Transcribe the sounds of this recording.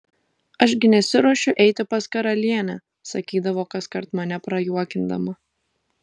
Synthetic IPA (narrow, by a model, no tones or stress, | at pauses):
ɐʃɡʲɪnʲɛsʲɪɾuɔʃʲʊʔɛɪt̪ʲɪpɐskɐɾɐlʲiɛnʲæː | sɐkʲiːd̪ɐʋoːkɐskɐɾt̪mɐnʲɛpɾɐjuɔkʲɪnd̪ɐ̰mɐ